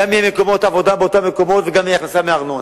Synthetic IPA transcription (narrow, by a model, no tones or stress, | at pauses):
amijemeko̞mo̞t̪avo̞d̪abeot̪ameko̞mo̞t̪veɡamjaχnasameaʁnon